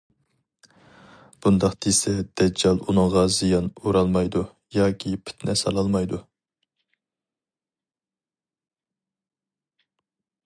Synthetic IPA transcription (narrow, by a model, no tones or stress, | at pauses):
b̥und̪ɑqd̪̥esɛd̪̥ɛd͡ʒːɑlˠunɨŋʁɑzijɑnuɾɑlˠmɑjd̪u | jɑːkʲʰipʰɪ̥t̪ʰnɛsɑ̰lˠɑlˠmɑjd̪u